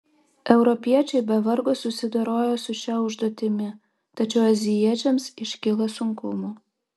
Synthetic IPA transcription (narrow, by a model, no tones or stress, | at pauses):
ɛwɾopʲiɛt͡ɕejbævərɡosusʲid̪oɾojosuɕæuʒd̪ot̪ʲɪmʲɪ | t̪ɐt͡ɕowazʲijet͡ɕʲɛmsiʃkʲelesuŋkumo